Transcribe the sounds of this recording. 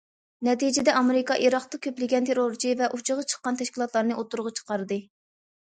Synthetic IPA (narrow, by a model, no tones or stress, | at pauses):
nɛt̪id͡ʒɪd̪ɛʔɑmeɾɪkɑʔiɾɑq̚t̪ɑkʲʰøplɪɡʲɛnt̪ʰeɾoɾt͡ʃʰivɛʔut͡ʃʰɨʁɑt͡ʃʰə̥χqːɑnt̪ʰɛʃkʲilˠɑt̪lˠɑɾnɨʔot̪uɾʁɑt͡ʃʰə̥qɑɾd̪ɨ